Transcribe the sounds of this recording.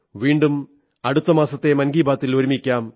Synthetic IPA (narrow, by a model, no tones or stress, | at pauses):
ʋiːɳɖum | ɐɽut̪ːɐmaːsɐt̪ːe̞mɐnɡiːbaːt̪ːiloɾumikʲːaːm